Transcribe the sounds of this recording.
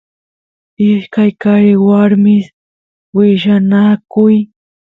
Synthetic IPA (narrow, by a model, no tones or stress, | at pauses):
ɪʃkajkaɾɪwaɾmɪs | wɪʃanakʊj